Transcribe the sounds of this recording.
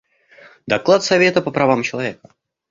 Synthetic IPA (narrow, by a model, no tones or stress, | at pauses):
d̪ɐklˠat̪sɐvʲe̞t̪əpəpɾɐvamt͡ɕɪlˠɐvʲekə